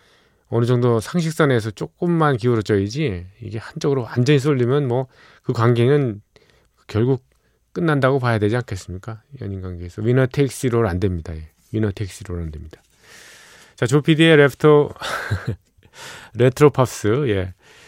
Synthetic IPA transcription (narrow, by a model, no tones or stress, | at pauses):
ʌnɯd͡ʑʌŋdosʰaŋɕ̬ʰik̚s͈anes̬ʰʌt͡ɕ͈ok͈ɯmːankiuɾʌt͡ɕʰʌid͡ʑiḭɡe̞hant͡ɕ͈ʌɡɯɾowand͡ʑʌɲis̬͈oʎːimjʌnmwʌ | kɯkwaŋɡenɯn | kjʌɭɡuk̚ | k͈ɯnːandaɡopajadwe̞d͡ʑiankʰe̞s͈ɯmɲik͈aijʌ̰ɲinɡwaŋɡeːsʰʌwinʌtʰek̚s͈iɾoɾandwe̞mɲidaje̞ | winʌtʰeiks͈iɾoɾandwe̞mɲid̥ḁ | t͡ɕat͡ɕopʰidieɾetʰo | ɾetʰɾopʰap̚s͈ɯje̞